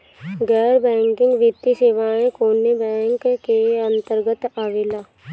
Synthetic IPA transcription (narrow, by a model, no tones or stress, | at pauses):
ɡɛːɾbɛ̃ːŋkɪ̃ŋɡʋɪt̪ːiseʋaːẽkoːnebɛ̃ːŋkkeə̃nt̪əɾɡət̪aːʋelaː